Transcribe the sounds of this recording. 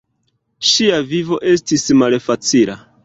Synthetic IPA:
ʃiavivo̞ʔe̞stismalfat͡sila̰

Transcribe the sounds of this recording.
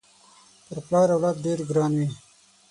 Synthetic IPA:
pəɾplɑːɾawlat̪̚ɖeːɾɡɾɑːnwi

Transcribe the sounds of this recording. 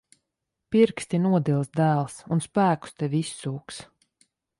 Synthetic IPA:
piɾkst̪inuɔd̪ilˠsd̪æːlˠsunspæːku̥st̪ɛvʲisːuːks

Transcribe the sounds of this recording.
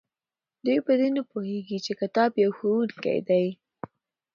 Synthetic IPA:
d̪ujpəd̪enapoheɡit͡ʃekat̪ɑbjawxowunkḛjd̪aj

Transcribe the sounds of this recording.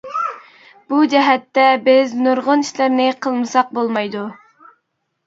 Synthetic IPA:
b̥ud͡ʒɛɦɛt̪ːɛbɪznuɾʁʊniʃlɪɾnɪqʰəlˠmɨsɑq̚bolˠmɑjd̪u

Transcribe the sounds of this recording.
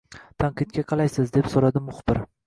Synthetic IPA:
t̪ʰanqʰɨd̪̚ɡʲaqʰɑlˠajsɪzd̪e̞psoɾad̪ɪmʊχb̥ɪɾ

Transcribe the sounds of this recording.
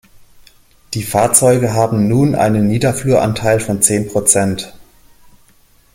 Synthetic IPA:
d̥iːfaːɐt͡sɔʏɡəɦaːbm̩nuːnʔa̰ɪnənːiːdɐfluɐʔa̰ntʰaɪlfɔnt͡seːnpʁ̥ot͡sɛnt

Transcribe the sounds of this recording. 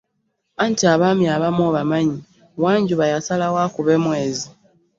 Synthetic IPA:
antiaβaːmjaβamoβamaɲi | waːɲɟuβajasalawaːkuβe̞ːmwe̞ːzi

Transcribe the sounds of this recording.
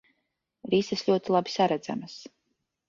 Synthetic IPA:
ɾisɛsʎʲuɔt̪ilˠabi̥saɾɛd̪za̰mas

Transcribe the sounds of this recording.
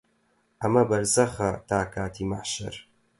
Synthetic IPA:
ʔɐmɐbɐɾzɐxɐt̪aːkaːt̪ʰiːmaħʃɐ̰ɾ

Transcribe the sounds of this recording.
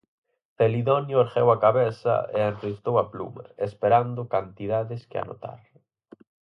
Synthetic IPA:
θeliðɔnjʊeɾxewakaβeθɐ̰ḛanrist̪owaplṵma̰espeɾand̪ʊkant̪iðaðɪskea̰no̰t̪a̰ɾ

